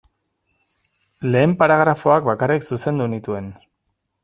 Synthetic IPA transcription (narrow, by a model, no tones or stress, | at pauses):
le̞ːmpaɾaɣɾafo̞akbakariksuse̞nd̪unit̪ue̞n